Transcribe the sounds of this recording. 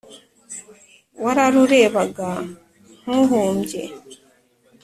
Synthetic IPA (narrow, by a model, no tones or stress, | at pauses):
waɾaɾuɾeːβaɡa | ŋ̥uɦuːmɟḛ